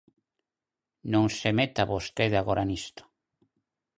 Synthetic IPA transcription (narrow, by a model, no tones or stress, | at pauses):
nõŋsemet̪aβost̪eðaɣoɾanist̪o̥